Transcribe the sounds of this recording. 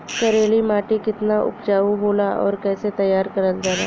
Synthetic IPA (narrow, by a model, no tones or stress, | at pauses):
kɐɾeːlimaːʈikɪt̪naʔʊ̰pd͡ʒaːuɦoːlaʔɔ̰ːɾkɛːset̪ɐjːaːɾkɐɾəld͡ʒaːna̰ː